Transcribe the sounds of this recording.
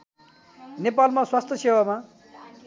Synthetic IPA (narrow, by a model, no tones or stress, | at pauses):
nepalmaswast̪ʰʌsewama